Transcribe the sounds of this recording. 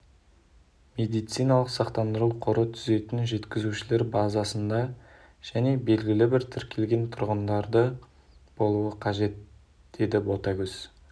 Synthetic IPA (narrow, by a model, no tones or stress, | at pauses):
mʲe̞d̪ijt̪sijnɑlˠəqsɑqt̪ɑnd̪əɾəwqʰoɾət̪ʰʏze̞t̪ɪnʒe̞t̪kʲɪzuʃɪle̞ɾbɑzɑsənd̪ɑ | ʒ̥æne̞be̞lɡʲɪlɪbɪɾt̪ʰɪɾkʲʰe̞lɡʲe̞nt̪ʰʊɾʁənd̪ɑɾd̪ə | b̥o̞lˠuəqʰɑʒe̞t̪ | d̪̥e̞d̪ɪbo̞t̪ɑɡʲʏz̥